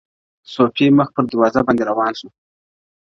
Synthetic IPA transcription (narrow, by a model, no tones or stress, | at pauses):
sopeməxpəɾd̪əɾwɑzabɑnd̪eɾawɑnʃu